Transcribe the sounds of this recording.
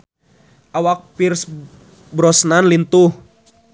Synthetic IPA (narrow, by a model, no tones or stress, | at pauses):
ʔawak̚pirs | bɾɔsnanlint̪uh